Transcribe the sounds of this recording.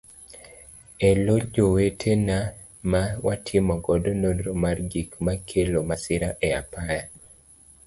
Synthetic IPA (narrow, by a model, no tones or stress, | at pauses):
elod͡ʒowetʰena | mawatʰɪmɔɡɔdonodɾomarɡikmakʰelomasɪɾaʔɛapaja